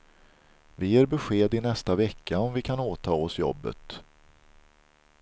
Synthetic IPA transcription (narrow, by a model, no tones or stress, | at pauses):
vɪjeːɾbɛɧeːd̪ɪnɛst̪avɛkːaɔmvɪkʰanoːt̪ʰɑːɔsjɔ̰bːə̰t̪